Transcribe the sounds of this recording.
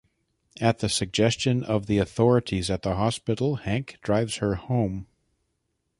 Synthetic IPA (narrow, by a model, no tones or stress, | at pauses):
ɨt̪̚ðɨsɨɡ̚d͡ʒɛst͡ʃɨ̃nʔʌvðiɨθɔɹɨɾizɨt̪̚ðəɦɑspɪɾl̩ˠhæ̃ŋkd̥ɹaɪvz̥hə˞hõʊ̃m